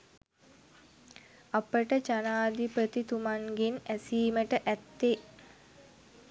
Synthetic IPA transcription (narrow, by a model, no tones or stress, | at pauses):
apəʈət͡ʃanaːd̪ipɾət̪it̪umaŋɡenæsiːməʈəʔæt̪ːe